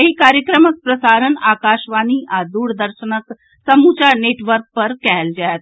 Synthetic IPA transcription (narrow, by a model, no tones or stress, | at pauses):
ɐɦikaːɾjəkɾəmək̚pɾɐsaːɾənaːkaːʃʋaːniʔaːd̪uːɽd̪əɾʃənək | sɐmuːt͡ʃaːɾneːʈʋəɾk̚pɐɾkɛɦɛld͡ʒaːt̪